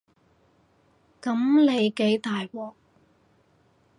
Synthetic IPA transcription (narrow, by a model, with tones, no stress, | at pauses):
kɐ˨˧˥mle˨˧jke˨˥jt̪aː˨jwɔː˨˩k̚